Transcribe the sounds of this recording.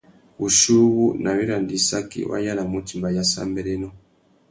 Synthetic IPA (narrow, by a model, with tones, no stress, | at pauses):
u˨ʃu˦βu˦na˨wi˦ɾa˨ndi˨sa˦kḭ˦wʔa̰˦ja˦la˨mu˦ti˨mba˨ja˨sa̰˦mbɛ˦lɛ˦nɔ˦